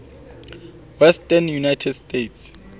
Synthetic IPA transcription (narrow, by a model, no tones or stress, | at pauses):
wɛstɛnjunajtʰɛdstetʰs